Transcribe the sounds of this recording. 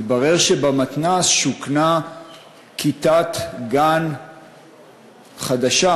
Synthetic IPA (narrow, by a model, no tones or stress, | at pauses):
t̪baʁe̞ʁʃebamat̪nasʃukna | kʰit̪at̪ɡan | χad̪aʃa